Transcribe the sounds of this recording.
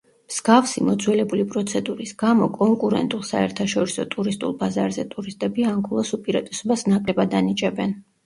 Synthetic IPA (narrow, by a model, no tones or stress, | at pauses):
mz̥ɡafsimɔd̪zwɛlɛbulipʼɾɔt̪sʰɛd̪uɾisɡamɔkʼɔŋkʼuɾɛ̰nt̪ʼulˠsaɛɾt̪ʰaʃɔɾisɔt̪ʼuɾist̪ʼṵlˠbazaɾzɛt̪ʼuɾist̪ʼɛbiaŋkʰulˠasupʼiɾat̪ʼɛsɔbasnakʼlɛbad̪anit͡ʃʼɛbɛn